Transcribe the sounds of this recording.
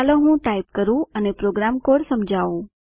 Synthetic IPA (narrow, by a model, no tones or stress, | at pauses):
aloɦũʈaip̚kəɾũənepɾoɡɾamkoɽsəmd͡ʒʱaʋũ